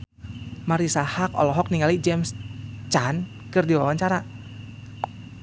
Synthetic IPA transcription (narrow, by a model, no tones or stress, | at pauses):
maɾisahak̚ɔ̰lɔɦɔk̚niŋalid͡ʒɛmst͡ʃan | kɨrdiwawaɲt͡ʃaɾa